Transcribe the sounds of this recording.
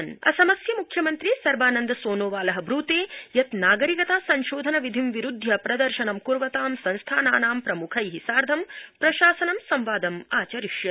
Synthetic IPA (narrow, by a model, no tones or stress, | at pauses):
nɐ̰sɐmɐsjɐmukʰjɐmɐnt̪ɾisɐɾbaːnɐnd̪ɐsoːnoːʋaːlɐɦɐ̆bʱɾuːt̪eːjɐt̪naːɡɐɾikɐt̪aːsɐɲʃoːd̪ʱɐnɐʋid̪ʱimʋiɾud̪ʱjɐpɾɐd̪ɐɾʃɐnɐmkuɾʋɐt̪aːmsɐ̃nst̪ʰaːnaːnaːmpɾɐmukʰɐjɦisaːɾd̪ʱɐmpɾɐʃaːsɐnɐmsɐmʋaːd̪ɐmaːt͡ʃɐɾiʃjɐ